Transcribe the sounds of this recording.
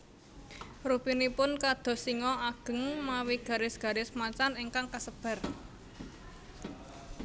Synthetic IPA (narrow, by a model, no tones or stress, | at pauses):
rupinipʊnkad̪̥ɔ̤siŋɔʔaɡ̥ə̤ŋmawiɡ̥ä̤ɾɪsɡ̥a̤ɾɪsmat͡ʃaniŋkaŋkasəb̥a̤r